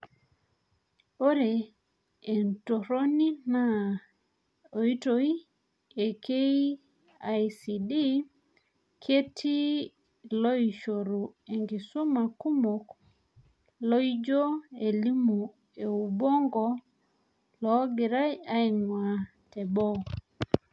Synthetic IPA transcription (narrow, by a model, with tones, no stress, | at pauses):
o˦ɾe˨ | e˨nto˨ɾo˦ni˦na˦ | o˨i˦to˦i˦ | e˨ke˦i | a˨jsi˨di˦ | kʰe˦tʰi˦ | lo˦i˨ʃo˨ɾu˨e˨ŋɡi˨su˦ma˨ku˦mo˨k | lo˦i˦d͡ʒo˦e˨li˦mu˨ | e˨u˨bo˦ŋɡɔ˦ | lɔ˦ɡi˨ɾa˦ja˦i˨ŋwa˨ | te˨bo˦